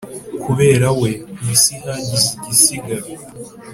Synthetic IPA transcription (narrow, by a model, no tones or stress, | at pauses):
kʰuβe̞ːɾawe̞isihaɟiziɟisiɡaɾo